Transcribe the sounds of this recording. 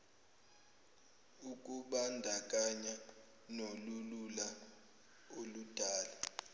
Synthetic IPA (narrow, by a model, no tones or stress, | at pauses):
ukʼuɓandʱak̬ʼaɲa | nolulula | olud̥ʱaːla